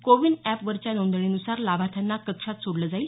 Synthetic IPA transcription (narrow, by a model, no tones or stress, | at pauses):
koʋiɳɛpʋəɾt͡ɕjanõnd̪ɳ̃inusaɾlabʱat̪ʰjanːakəkʂat̪soɽləd͡zail